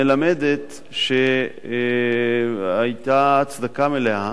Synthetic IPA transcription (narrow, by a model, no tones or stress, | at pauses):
elamed̪et̪ | ʃe | ajt̪at͡sd̪akameleha